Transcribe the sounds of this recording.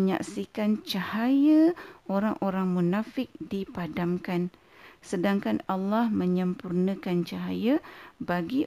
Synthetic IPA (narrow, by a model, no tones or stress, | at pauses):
ɲa̰ksikant͡ʃahajəʔoɾaŋʔoɾaŋmunafɪk̚dipadamkan | sədaŋkanalːahməɲəmpurnə̃kant͡ʃaɦajəbaɡi